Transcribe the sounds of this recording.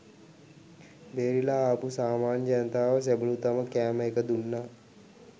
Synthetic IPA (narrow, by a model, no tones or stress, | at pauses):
beːɾilaːpusaːmaːnd͡ʒanət̪aːʋəs̬ebəlut̪aməkæːməekəd̪unːa